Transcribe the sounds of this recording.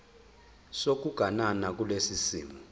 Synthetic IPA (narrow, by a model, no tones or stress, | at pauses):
sok̬uɡ̥ʱananak̬ulesisiːmu